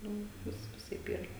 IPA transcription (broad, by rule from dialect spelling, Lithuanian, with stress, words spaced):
ˈnʊ ˈʋʲɪs ʋʲɪˈsɐɪp ˈiːrɐ